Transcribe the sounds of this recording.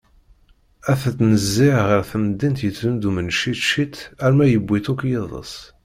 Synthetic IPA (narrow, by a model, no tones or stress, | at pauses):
æθæt̪ːnəzːiʁəɾθəmd̪int̪jəund̪umənʃiʃit̪æɾmæjəbʷːit̪ukjeðˤə̰s